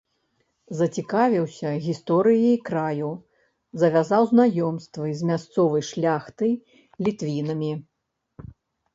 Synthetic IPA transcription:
zɐt͡sʲikavʲiwsʲɐɣʲist̪ɔɾɨjikɾaju | zɐvʲazawznajɔmst̪vɨzʲmʲast̪sɔvɐjʂlʲaxt̪ɨj | lʲit̪vʲinɐmʲi

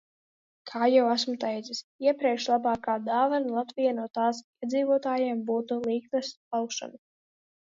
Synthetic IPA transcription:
kʰaːjawæsmut̪ɛjd̪zisiɛpɾʲiɛkʃlˠabɑːkaːd̪aːvanlˠat̪vijanuɔt̪aːsiɛd̪ziːvuɔt̪aːjɛːmbuːt̪ulˠiːknaspalkʃa̰nu

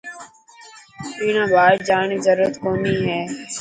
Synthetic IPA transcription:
iːnãːbʱaːɾd͡ʒaːɳiːzəɾuːɾət̪koːniːɦɛː

